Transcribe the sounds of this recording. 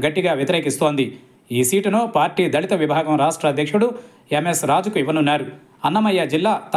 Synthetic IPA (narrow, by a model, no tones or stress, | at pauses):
ɡɐʈːiɡaːʋjɐt̪iɾeːkist̪o̞ːnd̪i | iːsiːʈunoːpaːɾʈiːd̪ɐɭit̪ɐʋibʱaːɡɐmɾaːʂʈɾɐːd̪ʱjɐkʂuɽu | emesɾaːd͡ʒukuiʋɐnunːaːɾu | ɐnːɐmɐjːad͡ʒilːaːt̪